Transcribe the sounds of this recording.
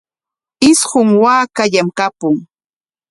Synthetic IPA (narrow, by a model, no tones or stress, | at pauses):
ɪsɢʊŋwaːkaʎamkapʊŋ